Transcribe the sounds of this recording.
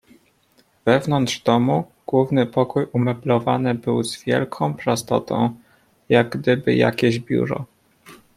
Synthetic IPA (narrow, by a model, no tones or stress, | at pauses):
v̥ɛvnɔnd̪ʐ̥d̪ɔmu | ɡ̥wuvnɘpɔkujʔumɛblɔvanɘbɘwzvʲjɛ̰lkʰɔ̃w̃pɾast̪ɔ̰t̪ɔ̰̃w̃ | jaɡɡd̪ɘbɘ̰ja̰kʲeʑbʲjṵɾɔ̰